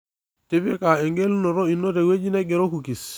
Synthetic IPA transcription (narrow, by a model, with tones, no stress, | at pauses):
ti˦pe˦ka˨e˨ŋɡe˦lu˦nɔ˨ɾo˦i˨nːo˦te˨we˦d͡ʒi˦ne˦ɡe˨ɾo˦ku˨ki˨s